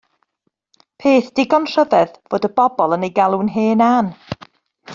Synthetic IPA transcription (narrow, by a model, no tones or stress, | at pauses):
pʰeːθd̥ɪɡɔnr̥əvɛðv̥oːdəbɔbɔlˠənejɡalˠunɦeːnan